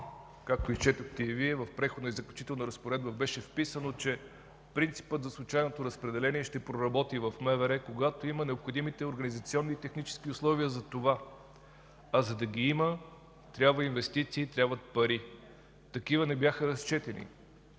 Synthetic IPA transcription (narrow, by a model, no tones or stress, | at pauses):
kak̚t̪oist͡ʃɛt̪əxt̪ɛiviɛvɐfpɾɛxod̪nəizəklʲut͡ʃi̥t̪ɛlˠnɐɾɐspoɾɛd̪̚bəbɛʃɛfpisənot͡ʃɛ | pɾint̪si̥pət̪zɐslˠʊt͡ʃajnot̪oɾɐspɾɛd̪ɛlɛniɛʃt̪ɛpɾoɾɐbɔt̪ivɐfmɛvɛɾɛkoɡat̪oimənɛopxod̪imit̪ɛoɾɡɐnizɐt̪siɔnːit̪ɛxnit͡ʃɛ̥sk̟iʊslˠɔviəzɐt̪ova | ɐzɐd̪ɐɡʲiimə | t̪ɾʲabvəinvɛst̪it̪siːt̪ɾʲjabvət̪̚pɐɾi | t̪ɐkivənɛbʲjaxəɾɐst͡ʃɛt̪ɛnḭ